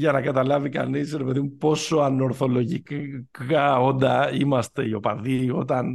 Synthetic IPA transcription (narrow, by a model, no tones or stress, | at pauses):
ʝɐnɐkɐt̪ɐlɐvikɐ̰nisɾe̞pe̞ðimupo̞so̞ɐno̞ɾθo̞lo̞ʝikkɐo̞nd̪ɐimɐst̪e̞io̞pɐðio̞t̪ɐn